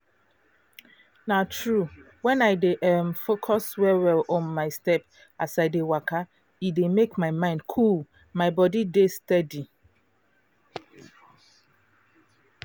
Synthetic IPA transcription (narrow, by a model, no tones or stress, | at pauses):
natʰɹu | wɛ̃naɪdeʔɛmfokʰɔswɛwɛlɔ̃nmaɪstɛp̚ | asaɪdewakʰa | idemekmaɪmãɪ̃ndkʰulˠ | maɪbɔdidestɛdi